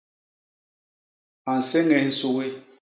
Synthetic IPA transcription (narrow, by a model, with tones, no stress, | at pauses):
a˨n̩˨sɛ˦ŋɛ˨˦n̩˦su˦˨ɣe˦